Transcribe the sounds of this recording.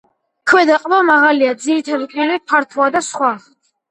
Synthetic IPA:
kʰwɛd̪aqʼbamaʁaliad̪ziɾit̪ʰad̪ipʼilipʰaɾt̪ʰwad̪asχwa

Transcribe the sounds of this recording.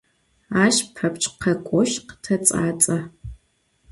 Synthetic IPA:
aːʃpʰɐpt͡ʃʼqʰɐkʷʼɔʃqə̥tʰɐt͡sʼa̰ːt͡sʼɐ

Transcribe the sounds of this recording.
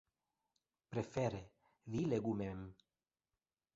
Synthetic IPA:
pɾefeɾe | vileɡumem

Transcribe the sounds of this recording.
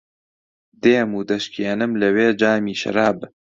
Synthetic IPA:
d̪eːmuːd̪ɐʃkeːnɨmlɐweːd͡ʒaːmiːʃɐ̰ɾaːb

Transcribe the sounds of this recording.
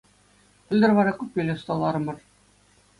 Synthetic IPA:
pɘ̆lʲd̪ɘrʋɑɾɑkʲupʲːelʲɘ̆st̪ɑlˠːɑɾɤ̆mɤ̆r

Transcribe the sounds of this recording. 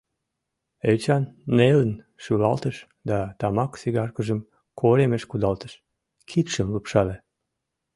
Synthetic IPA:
elt͡ɕɑnːelən | ʃylɑlt̪əʃ | d̪ɑt̪ɑmɑksiɣɑrkəʒəm | kʰoɾemeʃkud̪ɑlt̪əʃ | kʰit̪ʃəmləpʃɑle

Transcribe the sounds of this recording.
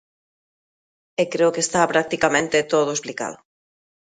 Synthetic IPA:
ekɾeokest̪apɾak̚t̪ikamẽnt̪et̪oðoesplika̰ðʊ

